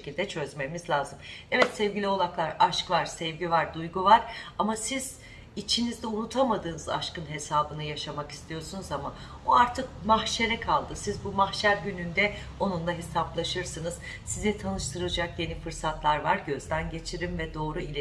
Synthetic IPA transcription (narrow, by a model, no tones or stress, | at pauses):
cilʲd̪ɛt͡ʃʰø̞zme̞mizlʲaːzɯmɛvɛt̪sɛvɟilʲio̞lˠaklˠaɾaʃkvaɾsɛvɟivaɾd̪ujɡuvaɾamasiz̥ | it͡ʃʰinizd̪ɛunut̪ʰamad̪ɯːnɯza̰ʃkɯnɦe̞saːbɯnɯjaʃamaki̥st̪ʰijo̞ɾsunuzama | oaɾt̪ʰɯkmahʃe̞ɾɛkʰalˠd̪ɯsizbumahʃæɾɟynynd̪ɛ | o̞nund̪ˠaɦe̞saplˠaʃɯɾsɯnɯz̥ | sizit̪ʰanɯʃt̪ʰɯɾɯlˠd͡ʒak̚dje̞nifɯɾsat̪ʰlˠaɾvaɾɟø̞zd̪ænɟe̞t͡ʃʰiɾimvɛd̪o̞ːɾuilʲe